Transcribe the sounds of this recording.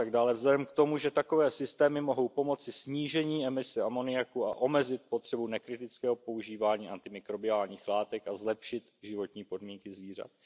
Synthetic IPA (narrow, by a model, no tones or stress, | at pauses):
at̪aɡdaːlɛvzlɛdɛmkt̪o̞muʒɛt̪ako̞vɛːsɪst̪ɛːmɪmo̞ɦo̞wpo̞mo̞t͡sɪsɲiːʒɛɲiːɛmɪsɛamo̞nɪjakua̰ʔo̞mɛzɪt̪̚po̞t̪r̥ɛbunɛkɾɪt̪ɪt͡skɛːɦopo̞uʒiːvaːɲiːʔant̪ɪmɪkɾo̞bɪaːlɲiːxlaːt̪ɛkazlɛpʃɪt̪ʒɪvo̞t̪ɲiːpo̞dmiːŋkɪzviːr̝a̰t̪̚